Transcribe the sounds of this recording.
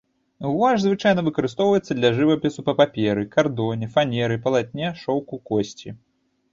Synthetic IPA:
wvaʐzvɨt͡ʂajnɐvɨkɐɾɨst̪ɔwvɐjɛt̪sːɐd̪lʲɐʐɨvɐpʲɛsupɐpapʲɛɾɨkard̪ɔnʲɛfanʲɛɾɨpɐlˠat̪̚ʲnʲɛʂɔwkukɔsʲt͡sʲi

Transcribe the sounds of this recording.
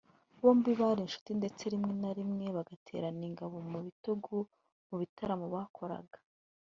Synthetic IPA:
βo̞ːmbiβaɾinʃu̥tinde̞t͡se̞ɾimŋe̞naɾimŋe̞βaɡatʰe̞̰ːɾaniŋɡaβo̞muβituɡu | muβitaɾamoβakʰo̞ɾa̰ɡḁ

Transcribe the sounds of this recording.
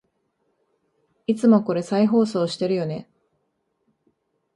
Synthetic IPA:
it͡sɨmo̞ko̞ɾe̞saiɦo̞ːso̞ːɕi̥t̪e̞ɾɯ̟jo̞ne̞

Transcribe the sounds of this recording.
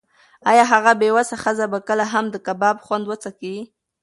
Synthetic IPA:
ɑjɑɦaɣabewasaxəzabakəlaɦamd̪əkabɑbxwand̪wət͡sakii

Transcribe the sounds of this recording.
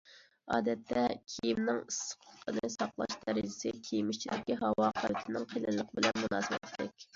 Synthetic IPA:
ɑ̰ːd̪ɛt̪ʰːɛkʲʰijimnɪŋisə̥qʰʊlqʰənɨsɑqlˠɑ̰ʃd̪ɛɾɪd͡ʒɪsɪkʲʰejmɪʃt͡ʃʰid̪ɪkʲiɦɑwɑqʰɑwt̪ʰɪnɪŋqʰelɪnlˠəqʰəbɪlɛnmunɑːsɨbɛ̰t̪d̪ɪkʲ

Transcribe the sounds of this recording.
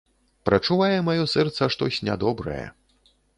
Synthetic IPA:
pɾɐt͡ʂuvajɛmajɔsɛrt̪sɐʂt̪ɔsʲnʲa̰d̪ɔbɾɐ̰jɛ̰

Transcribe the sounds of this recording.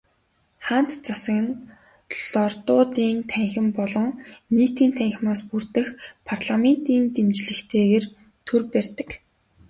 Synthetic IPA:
χan̥t̪t͡sasə̆kɘ̆n | ɮɔrt̪ʊːt̪iːnt̪ʰæŋxʲɪ̆mpɔɮɞ̆ŋniːt̪iːnt̪ʰæŋx̆ʲmaːspurt̪ɘ̆xpʰarɮamen̥t̪iːnt̪emt͡ɕɮɘ̆xt̪ʰeːɣeːr | t̪ʰɵrpærʲt̪ə̆k

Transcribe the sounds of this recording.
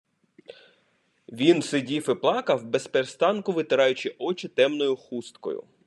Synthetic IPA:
ʋʲinsɪdʲifɪplˠɑkɐwbespeɾst̪ɑnkʊʋɪt̪ɪɾɑjʊt͡ʃɪʔɔt͡ʃɪt̪ɛmnɔjʊxust̪kɔ̰jʊ̰

